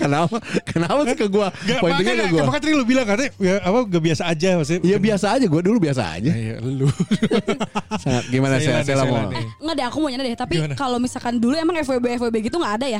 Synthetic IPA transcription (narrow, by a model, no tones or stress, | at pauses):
kənapakənapasɪkəɡuapoint̪uɲakaɡuapakat̪ɾilubilaŋkarnɛjaːpaŋɡabiasaːd͡ʒaas̬jabiasaːd͡ʒaɡuadulubias̬a̰a̰d͡ʒa̰lu | saŋat̪̚ɡimanaselaselamo̰ɛŋədaakumoɲanadɛt̪apikalomisalkanduluɛmaŋɛfebeːfebeɡit̪uŋɡaːdaja